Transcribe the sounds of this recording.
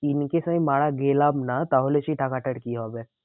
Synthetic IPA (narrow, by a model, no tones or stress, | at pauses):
inkesãĩmaːɽaɡelamnat̪aɦolet͡ʃiʈʰakaʈəʈkiɦobe